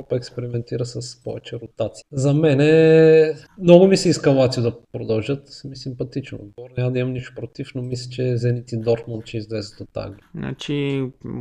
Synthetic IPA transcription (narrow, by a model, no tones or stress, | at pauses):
ɔpəɛkspɛɾimɛnt̪iɾəsɐspɔvɛt͡ʃɛɾʊt̪at̪sizɐmɛnɛ | mnɔɡʊmisiːskɐlˠat̪siʊd̪ɐpɾod̪ɐlˠʒət̪misimpɐt̪it͡ʃno̰ɡɔɾnʲamɐd̪ɐimɐmniʃt̪ʊ̥pɾot̪ifnomislʲɛt͡ʃɛzɛnit̪id̪ɔɾt̪mont̪̚t͡ʃɛizlɛzət̪ot̪a̰ɡlna̰t͡ʃi